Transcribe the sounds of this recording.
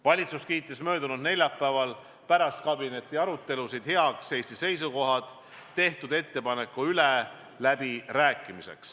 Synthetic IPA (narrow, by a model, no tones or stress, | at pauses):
vɑlʲit̪suskiːt̪ːˑismø̞ːd̪̥unud̪ne̞lʲjɑpːˑæːvɑl | pæɾɑst̪̚kɑbine̞t̪ːˑiɑɾut̪ːˑe̞lusid̪̥he̞ɑkse̞ːsʲt̪ise̞jsuko̞ɦɑd̪̥ | t̪ːe̞ht̪ud̪e̞t̪ːe̞pɑne̞kːuyle | læbiræːkːˑimise̞̰ks